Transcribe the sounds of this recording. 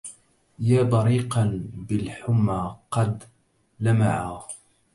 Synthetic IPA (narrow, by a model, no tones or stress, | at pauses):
jaːbˤɑɾiːqɑnbɪlħʊmːaqɑd̪ | lama̰ʕaː